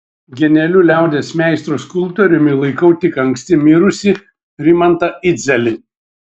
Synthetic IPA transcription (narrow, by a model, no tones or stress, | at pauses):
ɡʲɛnʲɛlʲʊlʲæˑʊd̪ʲeːsmʲæˑɪst̪ɾoskʊlˠpt̪ɔɾʲʊmʲɪlˠɐɪkɐʊt̪ʲɪkɐŋksʲt̪ʲɪmʲɪɾʊsʲɪ | ɾʲɪmɐnt̪ɐɪd̪zʲɛlʲɪ